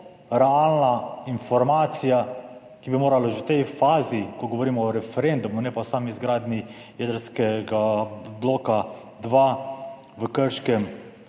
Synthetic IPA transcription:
ɾɛaːlnainfɔɾmaːt̪sija | kibimoːɾalaʒɛwt̪ɛjfaːzikɔɡɔʋoɾiːmɔːɾɛfɛɾend̪umunɛpaɔsaːmizɡɾaːd̪nʲi | jɛd̪əɾskɛɡabloːka | d̪ʋa | ʋəkəɾʃkɛm

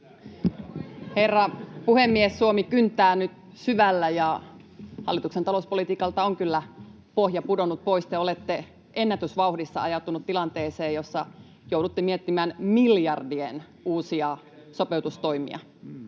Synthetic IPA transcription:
herːɑpuhemːiesːuomikynt̪ːˑæːnyt̪ | syʋælːæjɑ | hɑ̰lːit̪uksent̪ɑlouspo̞lit̪iːkɑlt̪ɑoŋkylːæ | pohjɑpudonut̪̚poist̪eolet̪ːe | ʔenːæt̪ysʋɑuhdisːɑɑjɑt̪ːunut̪t̪ːilɑnt̪eːseːjosːɑ | jowdut̪ːemiet̪ːimænmiljɑrdien | uːsiɑ | sopeut̪ust̪oimḭɑ̰

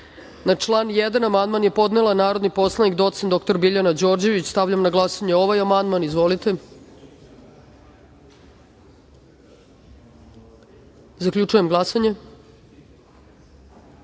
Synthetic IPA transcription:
nat͡ʂlˠaːnjed̪anamand̪manjepo̞d̪nelˠanaːɾo̞d̪nipo̞slˠanikd̪o̞t̪sentd̪ok̚t̪o̞ɾbiʎanad͡ʑo̞ɾd͡ʑe̞ʋit͡ɕst̪avʎʲamnaɡlˠasaɲeo̞ʋajamand̪manizʋo̞lit̪e̞ | zakʎʲut͡ʃuje̞mɡlˠasaɲe̞

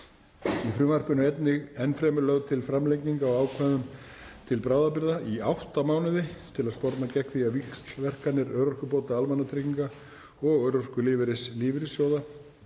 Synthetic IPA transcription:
ifɾʏːmar̥pʏnʏɛjt̪nɪɣɛnfɾɛːmʏɾlœɣt̪ʰɪlfɾamlejciŋkaɔaːwkʰvɛðʏm | t̪ʰɪlpɾaːwðap̬ɪɾðaʔiawht̪amaːwnɪðɪt̪ʰɪlaðspɔɾt̪nacɛhkθiavikst̪vɛr̥kanɪɾœːɾɔr̥kʏpowt̪aalmanːat̪ʰɾiciŋka | ɔɣœɾɔr̥kʏlɪːvɪɾɪsliːvɪɾɪsjoːwða

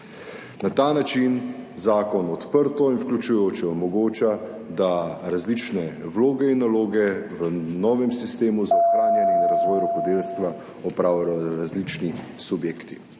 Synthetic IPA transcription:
nat̪aːnat͡ʃinzaːkɔnɔt̪pəɾt̪ɔinwklʲut͡ʃujoːt͡ʃɛɔmɔɡoːt͡ʃa | d̪aɾazlit͡ʃnɛwloːɡɛinːaloːɡɛʋənɔːʋɛmsist̪eːmuzɔxɾaːnjɛnid̪aɾazʋɔːjɾɔkɔd̪elst̪ʋa | ɔpɾaːwjajɔɾazlit͡ʃnisubjeːkt̪i

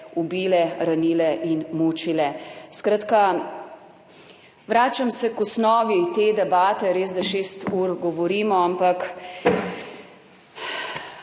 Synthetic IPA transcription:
ubiːlɛɾaniːlɛʔinmuːt͡ʃilɛskɾaːt̪ka | ʋɾaːt͡ʃamsɛkɔsnɔːʋit̪eːd̪ɛbaːt̪ɛɾeːzd̪aʃeːst̪uːɾɡɔʋɔɾiːmɔampak

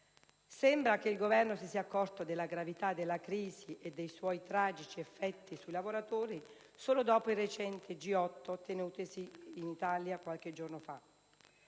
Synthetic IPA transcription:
sɛmbɾakeilɡovɛrnosisiːakːɔrt̪od̪elːaɡɾavit̪ad̪ːelːakɾiːziʔed̪ːejswɔjt̪ɾaːd͡ʒit͡ʃiɛfːɛt̪ːisujlavoɾat̪oːɾi | soːlod̪ɔːpoiret͡ʃɛnt̪ɪd͡ʒiɔt̪ːot̪enuːt̪ɪsiːnit̪aljakwalk̟ed͡ʒornofa

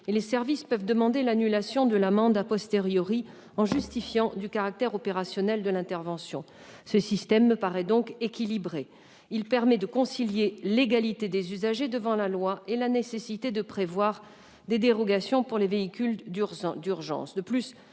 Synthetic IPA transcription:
lesɛʁvispœvd̪əmɑ̃d̪elanylasjɔ̃d̪əlamɑ̃d̪apɔst̪eʁjɔʁi | ɑ̃ʒyst̪ifjɑ̃d̪ykaʁak̚t̪ɛʁɔpeʁasjɔnɛld̪əlɛ̃t̪ɛʁvɑ̃sjɔ̰̃ | səsist̪ɛmːəpaʁɛd̪ɔ̃kekʲilibʁe | ilpɛʁmɛd̪əkɔ̃siljeleɡalit̪ed̪ezyzaʒed̪əvɑ̃lalwaelanesesit̪ed̪əpχevwaʁ | d̪ed̪eʁɔɡasjɔ̃puʁleveikʲyld̪yʁʒɑ̰̃sd̪əplys

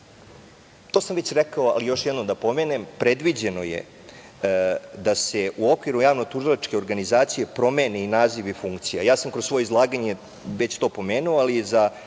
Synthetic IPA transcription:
t̪oːsamʋet͡ɕɾɛkaoa̰lijo̞ʃjɛd̪no̞md̪apo̞menempɾed̪ʋid͡ʑeno̞jḛ | d̪aseʔuokʋiɾujaːʋnot̪uʒilˠat͡ʃke̞oɾɡanizaːt̪sije̞pɾo̞meːneinaːziʋifuŋkt̪sija̰jaːsamkɾoso̞ːjeizlˠaːɡaɲe | ʋet͡ɕt̪o̞ːpo̞meːnuoaliza

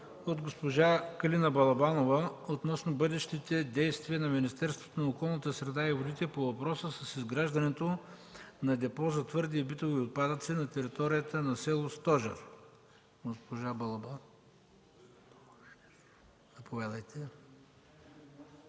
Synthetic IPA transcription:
od̪ɡospoʒakɐlinəbɐlˠɐbanovəot̪nɔsnobɤd̪ɛʃt̪it̪ɛd̪ɛjst̪viənɐminist̪ɛɾst̪vo̥t̪onɐokɔlˠnət̪əsɾɛd̪aivod̪it̪ɛpovɐpɾɔsəsɐsizɡɾaʒd̪ɐnɛt̪o | nɐd̪ɛpɔzɐt̪vɤɾd̪iːbit̪oviot̪̚pad̪ət̪sinɐt̪ɛɾit̪ɔɾijət̪ənɐsɛlˠost̪ɔʒɐ̰ɾ | ɡospoʒabɐlˠɐba | nɐpovʲad̪əjt̪ʰɛ

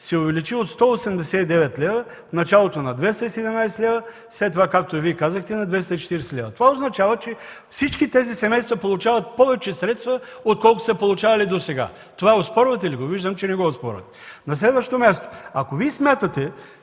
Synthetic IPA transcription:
sɛovɛlit͡ʃiot̪st̪ɔosɛmd̪ɛsɛt̪id̪ɛvɛt̪lʲɛvə | fnɐt͡ʃalˠot̪onɐd̪vɛst̪əisɛd̪ɛmnajsɛlʲɛvə | slɛt̪ːovakak̚t̪oiviɛkazəxt̪ɛnɐd̪vɛst̪əit͡ʃɛ̥t̪iɾɛsɛlʲɛvɐt̪ovaoznɐt͡ʃavɐt͡ʃɛfsit͡ʃkit̪ɛzisɛmɛjst̪vɐpolˠut͡ʃavɐt̪̚pɔvɛt͡ʃɛsɾɛt̪st̪vɐot̪̚kɔlˠkʊ̥sɐpolˠut͡ʃavɐlid̪osɛɡa̰ | t̪ovaospɔɾvɐt̪ɛiliɡoviʒd̪əmt͡ʃɛnɛɡɔospɔ̰ɾvɐ̰t̪ɛ̥nɐslɛd̪vəʃt̪omʲjast̪o̥akoviɛsmʲjat̪ət̪ɛ

